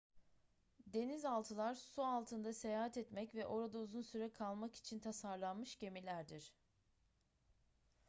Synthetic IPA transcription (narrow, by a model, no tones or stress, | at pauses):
d̪e̞nizalˠt̪ʰɯlˠaɾsualˠt̪ʰɯnd̪ase̞jaːɦat̪ɛt̪mɛcvɛʔo̞ɾad̪auzunsyɾɛkʰalˠmaki̥t͡ʃʰint̪ʰasaɾlˠanmɯʃɟe̞milʲæɾd̪iɾ̥